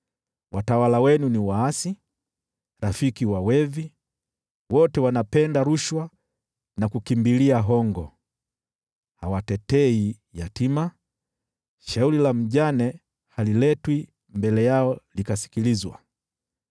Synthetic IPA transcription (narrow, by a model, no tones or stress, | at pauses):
wʔatawalawɛnuniwaasi | ɾafikiwawɛvi | wɔtɛwanapɛndaɾuʃwa | nakukimbiliaɦɔŋɡɔ̰ | hawatɛtɛi | jatima | ʃauɾilam̩ʄanɛ | halilɛtwi | mbɛlɛjaɔlikasi̥kilizwa̰